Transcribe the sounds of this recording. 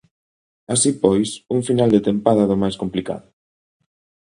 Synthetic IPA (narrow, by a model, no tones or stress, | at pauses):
asipɔjsuŋfinald̪et̪empaðɐðʊmajskomplika̰ðʊ